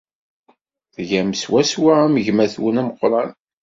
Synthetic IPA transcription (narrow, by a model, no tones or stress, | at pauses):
ðʝæmswæswaæməʝmæθwənæməqːɾˤɑn